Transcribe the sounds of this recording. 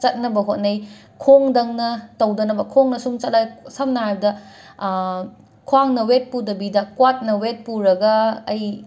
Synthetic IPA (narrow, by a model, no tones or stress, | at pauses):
t͡ʃɐt̚nɐbɐɦot̚nɐj | kʰoŋdɐŋnɐtɐwdɐnɐbɐkʰoŋnɐsuŋt͡ʃɐt̚lajsɐmnaajbɐdɐ | kʰwaŋnɐwet̚pudɐbidɐkwat̚nɐwet̚puɾɐɡɐːj